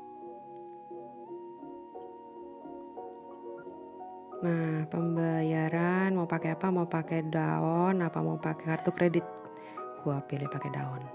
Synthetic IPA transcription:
nahpəmbajaɾanmaupakɛapamaupakɛdaɔnapa̰maupakɛkart̪ukɾedɪt̪̚ | kuapilipakɛda̰ɔn

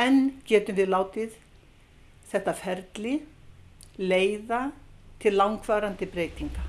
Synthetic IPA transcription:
ɛncɛːt̪ʏmvɪðlaːwt̪ɪð | θɛht̪afɛɾt̪lɪ | leːjðat̪ʰɪllːawŋkvaːɾant̪ɪpɾeːjt̪iŋka

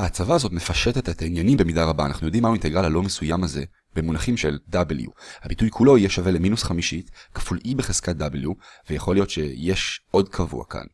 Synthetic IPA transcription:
haːt͡savaːzo̞tme̞faʃetetet̪ainjanimbemidaʁabaːnaχnujo̞dimauinteɡʁalhalo̞mesujamaze̞ | b̥e̞munaχimʃe̞ldabeljṵhabitujkʰulo̞ijeʃave̞le̞minusχamiʃitkḁfulʔibeχez̥kat̚d̪abeljuvejaχo̞lijo̞tʃe̞jeʃʔo̞dkʰavṵa̰ka̰n

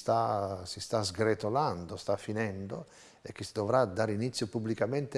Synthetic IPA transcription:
st̪asist̪azɡɾet̪oland̪ost̪afːinɛnd̪o | ek̟ːisid̪ovɾad̪aɾinit̪sːjopubːlikament̪e

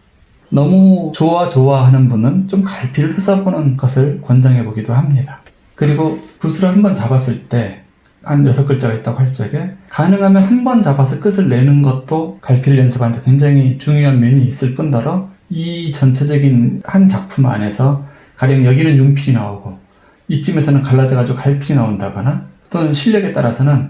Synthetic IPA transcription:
nʌmut͡ɕowat͡ɕoaɦanɯnbunɯnt͡ɕomkaɭpʰiɾɯɭɸes͈ʌbonɯnɡʌsʰɯɭkwʌnd͡ʑaŋɦe̞boɡidohamɲida | kɯɾiɡopusʰuɾahanbʌnt͡ɕabas͈ɯɭt͈e̞ | hanjʌsʰʌk͈ɯɭt͡ɕ͈ʌɡait̚t͈aɡohaɭt͡ɕ͈ʌɡe̞kanɯŋɦamjʌnhanbʌnt͡ɕabas̬ʰʌk͈ɯsʰɯɭːe̞nɯnɡʌt̚t͈okaɭpʰiɾɯʎjʌnsʰɯband͡ʑʰʌkwe̞ŋd͡ʑaŋit͡ɕuŋjoɦanmjʌɲiis͈ɯɭp͈undʌɾʌit͡ɕʌnt͡ɕʰe̞d͡ʑʌɡinhant͡ɕak̚pʰuma̰ne̞sʰʌ | kaɾjʌŋjʌɡinɯnjumpʰiɾinaoɡo | it͡ɕ͈ime̞sʰʌnɯnkaɭːad͡ʑʌɡad͡ʑiɡokaɭpʰiɾinaondaɡʌnat͈onɕʰiʎːʌɡe̞t͈aɾasʰʌnɯn

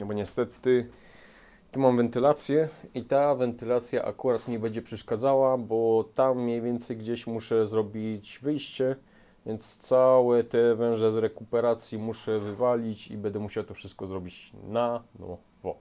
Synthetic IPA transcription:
bɔɲɛst̪ɛt̪ɘ | t̪umamvɛnt̪ɘlat̪sʲjɛit̪avɛnt̪ɘlat̪sʲja̰ʔa̰kuɾat̪mɲibɛɲd͡ʑɛpʂɛʂkad̪zawabɔt̪amːɲejvʲjɛnt̪sɛjɡd͡ʑeɕmuʂɛzɾɔbʲit͡ɕvɘjɕt͡ɕɛ | vʲjɛnt̪st̪sawɛt̪ɛvɛ̃w̃ʐɛzɾɛkupɛɾat̪sʲjimuʂɛvɘvalʲit͡ɕḭbɛnd̪ɛmuɕawat̪ɔfʂɘst̪̚kɔzɾɔbʲit͡ɕnanɔ̰ | vɔ̰

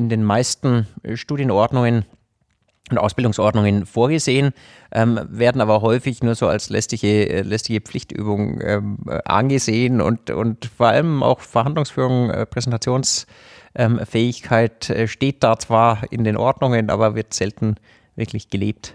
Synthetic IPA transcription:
ɪndeːnmaɪstn̩ʃtuːdjənʔɔɐdnʊŋən | ʊntʔa̰ʊsb̥ɪldʊŋsʔɔɐdnʊŋənfoːɐɡəzeːən | ʔɛːmveːɐdn̩ʔaːbɐɦɔʏfɪçnuːɐzoːa̰lslɛ̰stɪçə̰lɛstɪçəp͡flɪçtʔy̰ːbʊŋʔɛ̰ːmʔa̰nɡəzeːənʊ̰ntʊ̰ntfoːɐʔa̰ləmʔa̰ʊxfɛɐhandlʊŋsfyːʁʊŋɛ̰pʁ̥ɛzɛntʰat͡sjoːns | ʔɛːmfɛːɪçkʰaɪtʔɛʃteːt̚d̥aːt͡sv̥aːɐɪ̰ndeːnʔɔɐdnʊŋənʔa̰ːbɐvɪɐtz̥ɛltn̩ | vɪ̰ɐklɪçɡ̥əleːp̚t

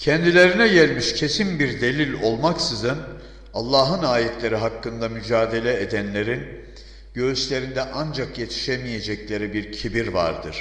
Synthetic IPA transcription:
cʰɛnd̪ilʲe̞ɾinɛɟælʲmiʃcʰe̞sinbiɾd̪e̞lʲilʲo̞lˠmaksɯzɯn | alˠːaːɦɯnaːjɛt̪lʲe̞ɾiɦakːɯnd̪amyd͡ʒaːd̪e̞lʲɛed̪ænlʲe̞ɾin | ɟøzyʃlʲe̞ɾind̪ɛʔand͡ʒakje̞t̪ʰi̥ʃemije̞d͡ʒɛclʲe̞ɾibiɾcʰibiɾva̰ɾd̪ɯɾ̥

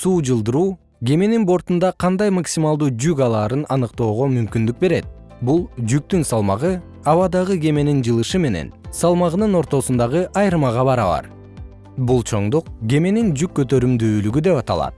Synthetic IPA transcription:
suːd͡ʒɯlˠd̪ɯɾuː | ɡʲe̞me̞ninbo̞ɾt̪und̪ɑqʰɑnd̪ɑjmaksʲimɑlˠd̪uːd͡ʒykɑlˠɑːɾɯnɑnɯqt̪o̞ːʁo̞mymkynd̪yk̚be̞ɾe̞t̪̚ | bulˠd͡ʒyk̚t̪ynsɑlˠmɑ̰ʁɯ | ɑβɑd̪ɑʁɯɡʲe̞me̞nind͡ʒɯlˠɯʃɯme̞ne̞̰nsɑlˠmɑʁɯnɯno̞ɾt̪o̞sund̪ɑʁɯʔɑjɾɯmɑʁɑβɑɾɑ̰βɑ̰ɾ | bulˠt͡ʃʰo̞ɴd̪uq̚ɡʲe̞me̞nind͡ʒykːø̞t̪ø̞ɾymd̪yːlyɡyd̪e̞pɑt̪ɑ̰lˠɑ̰t̪̚

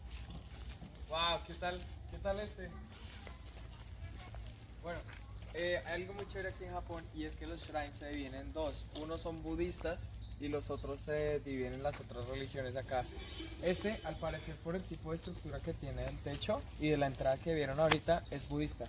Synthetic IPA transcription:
wawke̞t̪alke̞t̪ale̞st̪e̞ | bwe̞no̞ | eajalɡo̞mut͡ʃoiɾakienxapo̞nie̞ske̞lo̞sʃɾajnsːeðiβje̞ne̞nd̪o̞suno̞so̞mbuðist̪asilo̞so̞t̪ɾo̞sːeðiβje̞ne̞nlaso̞t̪ɾasre̞lixjo̞ne̞s̬aka | e̞st̪e̞ʔalpaɾe̞se̞ɾpo̞ɾe̞lt̪ipo̞ðest̪ɾuk̚t̪uɾake̞t̪je̞neelt̪e̞t͡ʃo̞ | iðe̞laent̪ɾaðake̞βje̞ɾo̞naoɾit̪ae̞zbuðist̪a

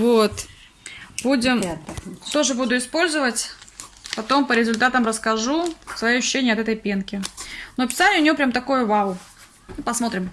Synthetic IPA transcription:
vot̪ | budʲɪmt̪o̞ʐɨbud̪ʊɪspo̞lʲzəvətʲpɐt̪o̞mpəɾʲɪzʊlʲt̪at̪əmɾəskɐʐusvɐjoɕːʏ̥ɕːenʲɪjəɐt̪ɛt̪əjpʲenkʲɪnopʲɪ̥sanʲɪəʊnʲɪjo̞pɾʲamt̪ɐko̞jʊvaʊ | ipɐsmo̞t̪ɾʲɪm

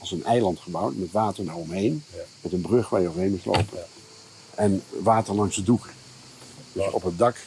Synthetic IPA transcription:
ɑlˠsənʔɛjlɑntχəbʌwtmɛtʋaːtəɹdaːɹɔmɦejnmɛtənbrɵχʋaːɹjəovəɦejnmutlo̰wpən | ʔɛnʋaːtəɹlɑŋsəduk | d̥øsɔ̰pɦət̚dɑk

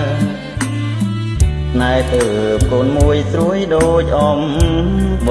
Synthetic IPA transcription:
sʰnaɛt̪əːpkoːnmuəjsruəjɗoːc̚ʔɑm | ɓ

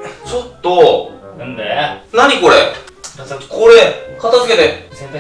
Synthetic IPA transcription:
t͡ɕot̪͈okɯndenaɲikoɾe | koɾek͈ʌt̪ʰʌd͡ʑuɡed̪e

